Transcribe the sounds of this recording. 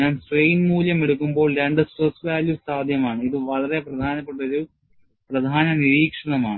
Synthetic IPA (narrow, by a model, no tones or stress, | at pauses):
aːnsrejnmuːljɐmeɽuk̬ːumbo̞ːɭɾeɳɖɨsɐsʋaːlusaːd̪ʱjɐmaːɳɨiðɨʋɐɭɐre̞prɐd̪ʱaːnɐpːeʈ̬ːɐɾu | prɐd̪ʱaːnɐniɾiːkʂɐɳɐmaːɳɨ